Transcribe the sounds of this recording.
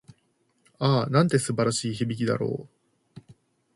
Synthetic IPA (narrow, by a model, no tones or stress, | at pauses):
aːnãnt̪e̞sɨbaɾaɕiːçibʲikʲid̪a̰ɾo̞̰ː